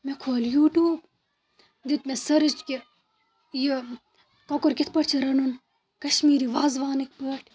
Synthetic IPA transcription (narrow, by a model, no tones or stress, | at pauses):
mekʰoːljuːʈjuːb | d̪it̪mesɐɾit͡ʃke | je | kokoɾkɪt̪ʰpɐʈt͡ʃʰɐɾɐnun | kɐʃmiːɾiʋaːzʋaːnik̚pəʈʰ